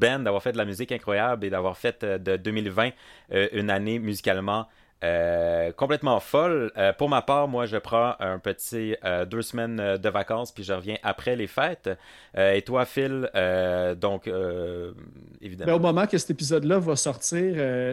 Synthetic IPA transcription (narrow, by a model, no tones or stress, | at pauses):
bɛnd̪avwaːʁfɛt̪̚d̪lamyzɪkɛ̃kχwajabled̪avwaːʁfɛt̪ød̪əd̪øːmilvɛ̃øʔynanemyzikʲalmɑ̃ | økɔ̃plɛt̪mɑ̃fɔløpuʁmapaːʁmwaʒəpχɑ̃œ̃pət̪iød̪øːsmɛnd̪əvakɑ̃spɥiʒəʁəvjɛ̃ʔapχɛlefɛːt̪ | øet̪wafɪlød̪ɔ̃kø | ḛvid̪bɛomɔmɑ̃kəsɛ̥t̪epizɔd̪lavasɔʁt̪iːʁø